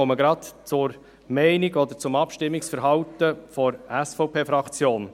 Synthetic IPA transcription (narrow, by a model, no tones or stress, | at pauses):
oməɡɾɑt̪t͡sʊɾ | mɛɪniɡɔd̪əɾt͡sʊmɑpʃtɪmːiksfəɾɦɑwtəfɔɾæsfɔʊpʰeːfɾɑkʰt͡sjoːn